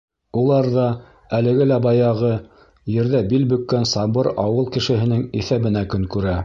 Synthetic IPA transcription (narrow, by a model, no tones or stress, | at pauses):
ulˠɑɾðɑ | ælɘ̆ɡɘlæbɑjɑʁɤ | jɘ̆ɾðæbilbɵ̆kːænsɑbɤɾɑwɤlˠkɘ̆ʃɘ̆ɦɘ̆nɘŋiθæβɘ̆nækɵŋkʉɾæ